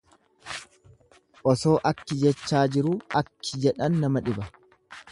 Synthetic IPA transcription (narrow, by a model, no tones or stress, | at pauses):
ʔɔso̞ːʔɐkːɪd͡ʒɛt͡ʃːaːd͡ʒɪɾuɐkːɪd͡ʒɛᶑɐnːɐmɐᶑɪbɐ